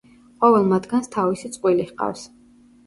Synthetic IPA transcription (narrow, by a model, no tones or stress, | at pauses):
qʼɔvɛlˠmad̪ɡanst̪ʰavisit̪sʼqʼwilihqʼa̰fs